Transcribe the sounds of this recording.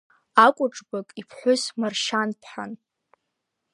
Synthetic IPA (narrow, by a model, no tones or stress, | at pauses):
akʷʼʊʈ͡ʂʼbakʼipʰħʷʊsmarʃanpʰħa̰n